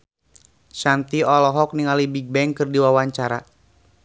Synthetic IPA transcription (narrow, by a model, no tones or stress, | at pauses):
sant̪iɔlɔɦɔk̚niŋalibiɡ̚bɛŋkɨrdiwawaɲt͡ʃaɾa